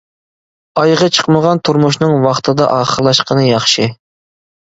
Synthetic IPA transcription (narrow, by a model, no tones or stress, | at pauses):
ɑjʁɑt͡ʃʰə̥qməʁɑnt̪ʰuɾmuʃnɨŋwɑχt̪ʰɨd̪ɑʔɑːχəɾlˠɑʃqʰənɨjɑχʃɨ